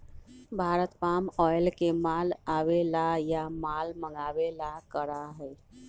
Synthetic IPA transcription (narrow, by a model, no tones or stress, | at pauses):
bʱaɾət̪pamɔjlkemalaʋelajamalməŋɡaʋelakəɾaɦəj